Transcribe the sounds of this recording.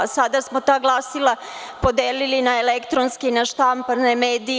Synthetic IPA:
sad̪asmot̪aːɡlˠaːsilˠa | po̞d̪eːlilinaelekt̪ɾonskinaʃt̪ampanemeːd̪i

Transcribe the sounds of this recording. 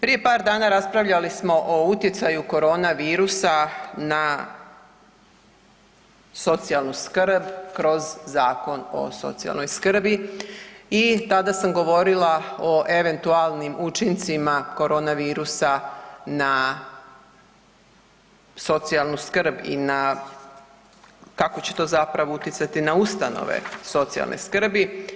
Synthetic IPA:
pɾije̞paːɾd̪aːnaɾaspɾaʋʎalismo̞ʔout̪jet̪sajuko̞ɾo̞ːnaʋiːɾusana | so̞t̪sijalˠnuskɾ̩bkɾo̞zzaːko̞no̞̰so̞̰t̪sija̰lnojskr̩bi | it̪ad̪asamɡo̞ʋo̞ɾilaoʔe̞ʋe̞nt̪ualˠnimʔut͡ʃint̪simako̞ɾo̞ːnaʋiːɾusana | so̞t̪sijalˠnuskrɾbḭna | kako̞t͡ɕe̞̥t̪o̞zapɾaʋo̞ut̪jit̪sat̪inaust̪ano̰ʋḛso̞t̪sia̰lnʔḛskr̩bi

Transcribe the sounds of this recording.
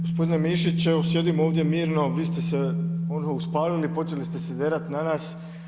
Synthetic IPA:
ɡospo̞d̪ine̞miʃit͡ɕeosje̞d̪imo̞ːʋd̪je̞miːɾno̞ʋiːst̪e̞seonɦouspaːlilipo̞t͡ʃe̞list̪e̞sed̪eːɾat̪nanaːs

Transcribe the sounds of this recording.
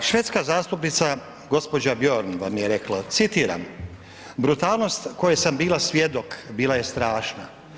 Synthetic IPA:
ʃʋe̞t̪skazaːst̪upnit̪sa | ɡo̞spo̞d͡ʑabjo̞ɾnʋamje̞ɾe̞klˠat̪sit̪iːɾa̰m | bɾut̪aːlˠno̞st̪ko̞jesambiːlˠasʋʲje̞d̪okbiːlaje̞st̪ɾaːʃna̰

